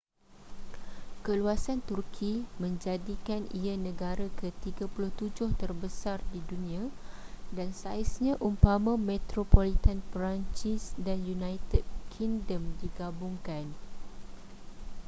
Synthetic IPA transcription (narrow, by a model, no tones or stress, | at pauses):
kəluasant̪urkʰimə̃ɲd͡ʒadikanianə̃ɡaɾakət̪iɡapulʊht̪ud͡ʒʊht̪ərbəsardidunĩãdansaisɲãʔumpamãmẽt̪ɾopolit̪anpɾaɲt͡ʃisdanjunãjt̪əd̚kʰiŋdəmdiɡabʊŋkan